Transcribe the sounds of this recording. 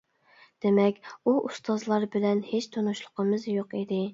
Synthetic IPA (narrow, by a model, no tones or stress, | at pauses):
d̪̥emɛkʲuʔust̪ʰɑzlˠɑɾbɪlɛnhet͡ʃt̪ʰonuʃlˠʊ̥qəmɨzjoqid̪ɪ